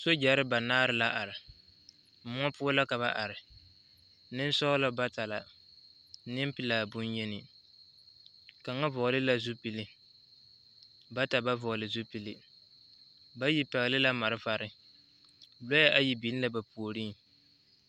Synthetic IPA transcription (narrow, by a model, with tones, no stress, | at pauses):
so˦d͡ʒa˨˦ɾɪ˦ba˨naː˦ɾɪ˦la˦ʔa˨ɾɪ˨ | m̩˦mʊ˦ɔ˦pʊ˦ɔ˦la˦ka˨βa˦ʔa˨ɾɪ˨ | nɪ˦n˦sɔ˦lɔ˦ba˦ta˨la˨ | nɪ˦m˦pi˦laː˨bu˦njɛ˦nɪ˨ | ka˨ŋa˦vɔ˨ɣlɪ˦la˦zu˦pi˨li˦ | ba˦ta˨ba˦vɔ˨lɪ˨zu˦pi˨li˦ | ba˦ji˦pɛ˨ɣlɪ˦la˦ma˨ɾɪ˦va˨ɾɪ˦ | bɔ˦ja˦ʔa˦ji˨bi˨˦n˦la˦ba˨pu˨o˨ɾiː˦